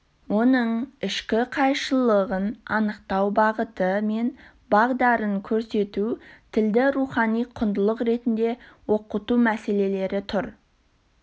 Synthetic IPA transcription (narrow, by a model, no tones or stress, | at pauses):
wo̞nəɴɪʃkʲɪqʰɑjʃəlˠəʁənɑnəqt̪ɑwbɑʁət̪əme̞n | bɑʁd̪ɑɾəŋkʲʰɵɾse̞t̪ut̪ʰɪld̪ɪɾuχɑnijqʰʊnd̪əlˠəqɾe̞t̪ɪnd̪e̞woqət̪umæse̞le̞le̞ɾɪt̪ʰʊɾ